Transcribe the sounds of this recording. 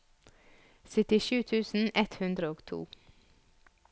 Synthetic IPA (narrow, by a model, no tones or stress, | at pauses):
sɪt̪ɪʃʉːt̪ʰʉːsn̩ɛt̪hʉnd̪ɾəoːɡt̪ʰṵː